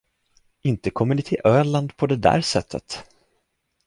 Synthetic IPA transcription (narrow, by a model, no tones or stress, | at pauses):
ɪnt̪əkʰɔmːəɳɪt̪ʰɪlʔøːɭand̪pʰɔd̪ɛd̪æ̰ːɾʂɛt̪ʰːə̰t̪